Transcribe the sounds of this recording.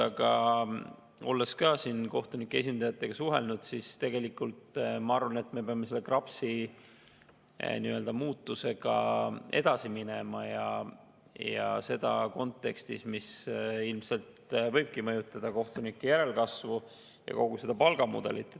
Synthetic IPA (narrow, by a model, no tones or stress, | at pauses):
ɑɡɑ | o̞lːe̞skɑːsinko̞ht̪unikːˑee̞s̬ʲind̪̥ɑjɑt̪ːˑe̞ɡ̥ɑsuɦe̞̰lnud̪̥sist̪e̞ɡ̥e̞likːˑult̪mɑɑɾvɑne̞t̪ːˑme̞peɑmːese̞lːe̞krɑpsi | niø̞ld̪̥ɑmuːt̪ːˑuse̞ɡ̥ɑe̞̰d̪̥ɑsiminemɑjɑ | jɑ̰se̞d̪̥ɑ̰ko̞nt̪ːˑe̞kst̪ismisilmse̞lt̪vɤ̞jb̥̚kimɤ̞jut̪ːˑɑd̪̥ɑko̞ht̪unikːejæɾe̞lkɑsvu | jɑ̰ko̞ɡ̥use̞d̪̥ɑpɑlɡ̥ɑmṵd̪̥e̞̰lit̪ːˑe